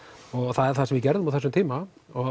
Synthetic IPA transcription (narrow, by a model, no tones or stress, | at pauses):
ɔɣθaðɛɾ̥θaɛmvɪcɛɾðʏmaðθɛsʏmt̪iːmaɔ